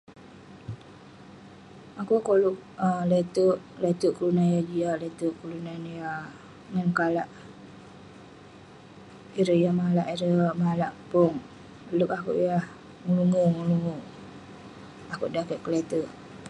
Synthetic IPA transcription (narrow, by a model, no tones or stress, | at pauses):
akuʔkoluʔalet̪uʔ | let̪uʔkulunajad͡ʒialet̪uʔkulunanja | ŋankalaʔ | iɾəjamalaʔiɾəmalaʔpʊŋ | lukakṵʔjah | ŋəluŋuŋuluŋuʔ | akuʔdakəʔkəlet̪uʔ